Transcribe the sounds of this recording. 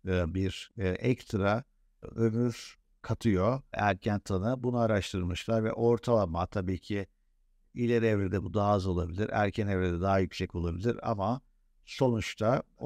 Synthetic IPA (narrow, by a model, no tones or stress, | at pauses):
biɾʔɛct̪ʰɾa | ɯɾnɯz̥ | kʰat̪ʰɯjo̞æɾcʰænt̪ʰanɯbunuaɾaʃt̪ʰɯlˠmɯʃlˠaɾvɛ̰ʔo̞ɾt̪ʰalˠamat̪ʰabiːcʰi | ilʲɛɾɛvɾed̪ɛbud̪aɦzo̞lˠabilʲiɾæ̰ɾcʰænevɾed̪ɛd̪aɦajycʲsɛco̞lˠabilʲiɾa̰ma | so̞nut͡ʃt̪ʰa